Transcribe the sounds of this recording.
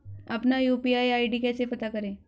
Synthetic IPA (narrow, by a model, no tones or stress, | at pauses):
ɐpnajupiaiaiɖikasepɐt̪akəɾẽ